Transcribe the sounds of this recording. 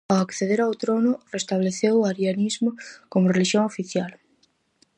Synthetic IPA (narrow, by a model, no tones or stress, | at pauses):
awakθeðeɾawt̪ɾonʊrest̪aβleθewaɾjanizmʊkomʊreliʃjoŋofiθjal